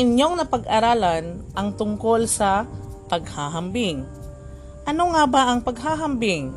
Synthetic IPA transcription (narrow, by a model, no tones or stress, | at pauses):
ɪɲjo̞ŋnɐpɐɡʔɐɾaːlɐnʔɐŋt̪ʊŋko̞lsɐpɐɡ̚haɦɐmbɪŋ | ʔɐno̞ŋabaʔɐŋpɐɡɦaːɦɐmbɪŋ